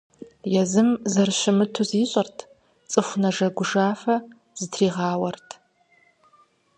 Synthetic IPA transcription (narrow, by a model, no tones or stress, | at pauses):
jɛzɨmzɐrɕɪmɨtʰuziːɕʼɐrtʰ | t͡sʼɨxʷʊnɐʐɐɡʷʊʐaːfɐ | z̥ɨtʰriːʁɑːwɐrtʰ